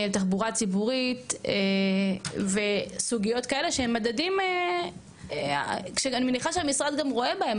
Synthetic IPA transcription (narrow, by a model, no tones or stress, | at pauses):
elt̪aχbuʁat͡sibuʁit̪e | ve̞suɡijo̞tkae̞le̞ʃeemːadadime | a̰kʃeanimeniχaʃeamisʁad̪ɡamʁo̞e̞bahe̞m